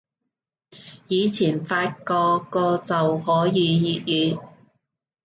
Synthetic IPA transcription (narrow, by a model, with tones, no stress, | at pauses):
jiː˨˧t͡sʰiː˨˩nfaː˧t̚kɔː˧kɔː˧t͡sɐ˨whɔː˨˥jiː˨˧jiː˨t̚jyː˨˧